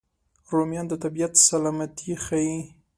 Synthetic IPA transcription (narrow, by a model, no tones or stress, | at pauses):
ɾomjɑnd̪ət̪abijat̪salɑmat̪ʰixai